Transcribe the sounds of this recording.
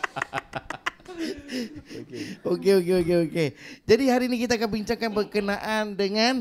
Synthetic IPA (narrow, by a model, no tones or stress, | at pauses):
okeok̬eokeoked͡ʒadiɦaɾiːnikit̪aːkanbiɲt͡ʃaŋkanbərkənaʔandəŋan